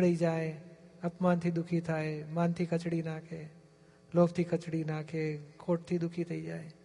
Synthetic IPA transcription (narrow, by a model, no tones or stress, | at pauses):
ɽəid͡ʒaːeɐpmaːnt̪ʰiːd̪ʊkʰit̪ʰaːemaːnt̪ʰikɐt͡ʃɽinãːkʰeː | loːft̪ʰiːkɐt͡ɕɽinãːkʰeːkʰoːʈ̚t̪ʰiːd̪ʊkʰit̪ʰɐid͡ʒaːeː